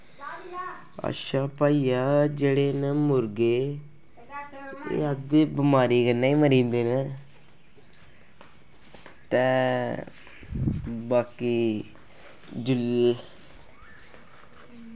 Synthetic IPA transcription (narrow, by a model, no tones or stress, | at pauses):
ə̰ʃaːpaːiːjaːd͡ʒeːɽeːnəmʊɾɡeː | ḛːəd̪ebəmaːɾiːkənːaːiːməɾĩːnd̪eːne | t̪ɛ̃ː | baːkiː | d͡ʒʊl